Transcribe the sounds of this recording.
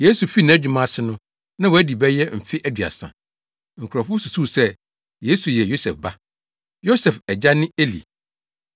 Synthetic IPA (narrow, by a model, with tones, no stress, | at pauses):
je˦su˨fi˦nã˨˦d͡ʑᶣu˨mã˦˨sɪ˦nʊ̃˦ | nã˦wɔ˨æ˦di˨bɛ˦jɛ˦m̩˨fɪ˦ʔæ˦dɥa̰˨sã̰˨ | ŋ̩˨kʰɾɔ˨fʊ˦su˨suː˦˨sɛ˦ | je˨˦su˨jɛ˨jo˦sɛ˨fba˦ | jo˦sɛ˨fɛ˨d͡ʑa˦nɪ̃˦e˦lḭ˨